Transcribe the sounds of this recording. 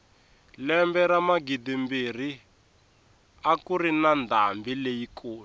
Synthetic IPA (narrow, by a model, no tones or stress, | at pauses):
lɛmbɛɾamaɡidimbir̤i | akuɾinandambilejikoːlu